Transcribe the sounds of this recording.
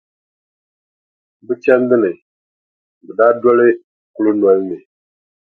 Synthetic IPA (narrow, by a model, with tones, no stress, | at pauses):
bɨ˦t͡ʃɛ˦n˦dɨ˦nɨ˨ | bɨ˨daː˦dɔ˦lɪ˦ | ku˦lɨ˦nwɔ˦lnɨ˨